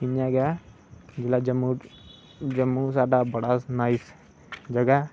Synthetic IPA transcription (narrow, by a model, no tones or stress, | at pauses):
ɪɲjãːɡa | d͡ʒɪlaːd͡ʒəmu | d͡ʒəmːuːsaːɖaːbəɽaːnaːis | d͡ʒəɡaː